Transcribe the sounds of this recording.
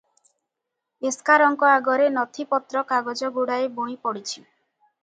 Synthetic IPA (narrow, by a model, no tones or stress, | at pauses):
eskaɾɔŋkɔaɡɔɾenɔt̪ʰipɔt̪ɾɔkaɡɔd͡ʒɔɡuɽaebõĩpɔɽit͡ʃʰi